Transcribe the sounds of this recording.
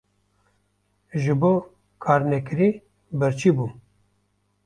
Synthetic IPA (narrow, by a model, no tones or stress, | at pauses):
ʒɨboː | kʰɑːɾnɛkɨɾiː | bɨɾt͡ʃʰiːbuː